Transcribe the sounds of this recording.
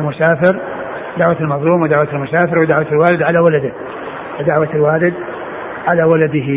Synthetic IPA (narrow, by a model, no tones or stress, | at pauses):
lmʊsaːfɪɾ | d̪aʕwat̪ɪlmɑðˤluːmwɪd̪aʕwat̪almʊsaːfɪɾwɪd̪aʕwat̪alwaːlɪd̪ʕalawalad̪ɪ | fɪd̪aʕwat̪ɪlwaːlɪd̪ | ʕalawalad̪ɪɦi